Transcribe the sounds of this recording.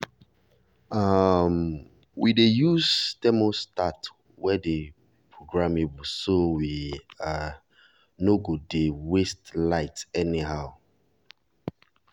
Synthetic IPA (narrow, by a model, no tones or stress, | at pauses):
am | widejuztɛmostat | wɛde | pʰɹoɡɹamebosowia | noɡudewestlaɪtɛniɦaʊ